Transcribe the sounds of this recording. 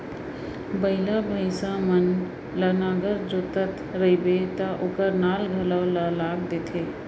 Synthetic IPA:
bəɪlabʱəɪsamən | lənaɡəɾd͡ʒot̪ət̪ɾəibet̪əʔokəɾnalɡʱələwləlaɡd̪et̪ʰe

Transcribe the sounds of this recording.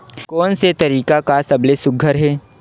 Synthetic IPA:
kɔːnset̪ɐɾiːkakasɐblesʊɡʱəɾɦɛː

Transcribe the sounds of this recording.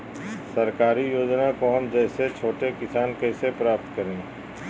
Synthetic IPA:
sɐɾkaːɾijoːd͡ʒnakoɦɐmd͡ʒɛːset͡ʃʰoːʈekɪsaːnkɛːsepɾaːp̚t̪kəɾẽː

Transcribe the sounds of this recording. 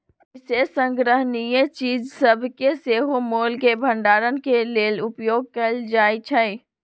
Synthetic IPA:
sesə̃ŋɡɾəɦnijet͡ʃiːd͡ʒsəbʱkeseɦomolkebʱəɳɖaːɾənkelelupjoɡ̚kəld͡ʒajt͡ʃʰəj

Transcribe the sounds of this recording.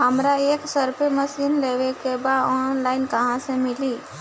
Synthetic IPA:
ɦəmɾaeksəɾpʰeməsinleʋekebaɔnlaɪnkəɦãsẽmili

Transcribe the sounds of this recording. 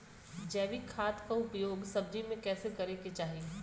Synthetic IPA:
d͡ʒɛːʋikʰːaːt̪kaʊpjoːɡsɐb̚d͡ʒimẽkɛːsekɐɾeket͡ʃaːɦie

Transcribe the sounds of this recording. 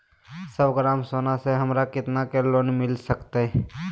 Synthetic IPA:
səbɡɾaːmsoːnaseɦəmɾakɪt̪nakeloːnmɪlsəkt̪eɦ

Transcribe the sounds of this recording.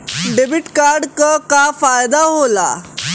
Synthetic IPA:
ɖebiʈkaɾɖkakafajd̪aɦola

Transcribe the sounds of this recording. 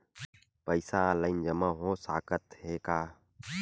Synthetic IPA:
pəɪsaːləɪnd͡ʒəmãːɦõːsaːkət̪heːkaː

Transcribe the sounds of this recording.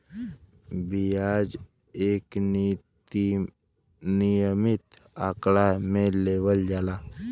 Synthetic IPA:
bijaːd͡ʒ | eːk | nijəmɪt̪ | aklamẽleːwəld͡ʒaːlaː

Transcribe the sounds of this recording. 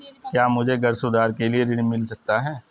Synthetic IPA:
kjaːmʊd͡ʒʱeɡɐɾsod̪aːɾkelieɾɪɽmɪlsɐk̚t̪aɦɛː

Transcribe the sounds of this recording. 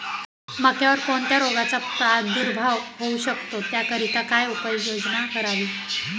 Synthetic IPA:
məkʰjaʋəɾkoɳt̪jaɾoɡat͡sapɾad̪uɾbʱaʋɦouɕəkt̪ot̪jakəɾit̪akajupəjod͡znakəɾaʋiː

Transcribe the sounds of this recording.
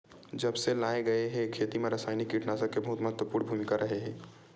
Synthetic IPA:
d͡ʒɐbselaːeɡɐeɦekʰːeːt̪imẽɾəsaːjnikːiʈnaːsakebɐɦʊt̪məɦət̪wəpuːɾnbʱuːmɪkaɾʔɐɦeɦɛ̃ː

